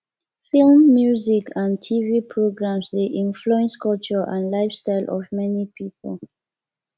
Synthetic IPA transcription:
filmːjuzikʰãntʰivipʰɹoɡɹãmsðiʔĩnfluɛ̃nskɔlt͡ʃə˞ʔãnlaɪfstaɪlʔɔ̰vmɛnipʰipə̰l

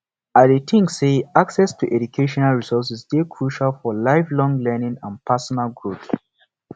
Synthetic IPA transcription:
adetʰĩŋkseaksɛstʰuʔɛd͡ʒukʰeʃɔ̃nalɹisɔs̬isdekʰɹuʃalfɔlaɪflɔ̃ŋlɛnĩŋãnpʰasɔnalɡɹut

